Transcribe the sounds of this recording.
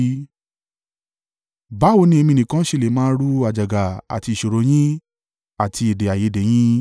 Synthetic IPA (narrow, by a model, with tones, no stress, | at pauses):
ba˨˦o˧˦nĩ˦e˧mĩ˧nĩ˨kã˦ʃe˦˧˨le˨mãː˦ɾu˦a˨d͡ʒa˨ɡa˨a̰˨ti˧˨ʃo˨ɾo˨˧˦j̃ĩ˦ | a˨tʰi˧e˨de˨a˨je˨˦de˨j̃ĩ˦